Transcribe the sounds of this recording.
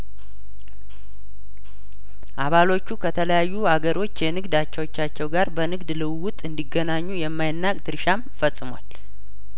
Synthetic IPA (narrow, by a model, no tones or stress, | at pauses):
ʔaβalo̞t͡ʃːukʰət̪ʰələjajːuhaɡəɾʔo̞t͡ʃːjɛnɨɡd̪at͡ʃːɛwot͡ʃːat͡ʃːɛwɡaɾbənɨɡd̪lɨwwʊt̪ʼɨnd̪iɡːənaɲːujɛmːajɪnːakʼt̪ʰɨɾʃamfəsʼɨmwal